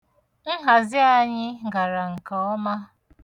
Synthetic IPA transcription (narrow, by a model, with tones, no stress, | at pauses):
n̩˦ɦa˨zɪ˦a˦˨ɲɪ˦ɡa˨ɾa˨ŋ̩˨ka˨ɔ˦ma˦